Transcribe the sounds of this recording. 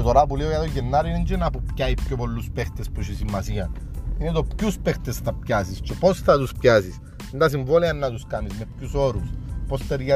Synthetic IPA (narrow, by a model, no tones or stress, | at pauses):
et̪oɾapuliojɐt̪oʝenːaɾiineɲd͡ʒenɐpupcaipçopo̞lːuspext̪espoʃesimːɐsiɐn | inet̪o̞pcuspext̪esθɐpcasiscepo̞sθɐt̪uspçasis | nd̪ɐs̬iɱvoleɐnːɐt̪uskamizme̞pcuso̞ɾuspost̪eɾʝa